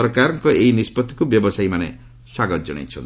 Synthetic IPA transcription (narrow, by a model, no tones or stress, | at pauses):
ɔɾkaɾɔŋkɔʔejnispɔt̪ʰːi̥kubjɔbɔsajmanḛ | swaɡɔt̪d͡ʒɔɽ̃a̰jt͡ʃʰɔ̰n